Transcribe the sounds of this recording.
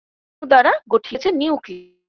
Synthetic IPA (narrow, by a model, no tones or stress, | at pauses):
d̪aɾaɡoʈʰit͡ɕʰeniwk